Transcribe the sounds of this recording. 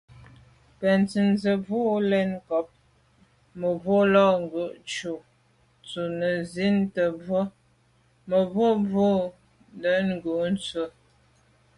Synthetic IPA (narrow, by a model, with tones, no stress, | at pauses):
pɛ˨nt͡si˨nzə˨vu˦lɛ˦nkɔ˨˦p̚ | mə˨vwo˦lɔ˦˨ŋ˨ɡə˨ʔt͡ʃu˨ | t͡su˨nə˨zi˦ntə˨b͡və˦ | mə˨vwo˦vo˦ | ndə˨˦nŋ˦ɡʉ˨n˦t͡sə˦